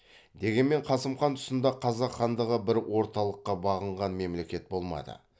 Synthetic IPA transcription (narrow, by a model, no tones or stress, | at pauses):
d̪e̞ɡʲe̞nme̞ɴqʰɑsəmχɑnt̪ʰʊ̥sənd̪ɑqʰɑzɑqχɑnd̪əʁəbɪɾwʔo̞ɾt̪ɑlˠəqːɑbɑʁəɴʁɑnme̞mle̞kʲe̞t̪̚bo̞lˠmɑ̰d̪ə̰